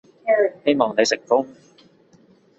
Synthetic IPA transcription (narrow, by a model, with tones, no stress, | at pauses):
he˥jmɔː˨ŋne˨˧jsɪ˨˩k̚fʊ˥ŋ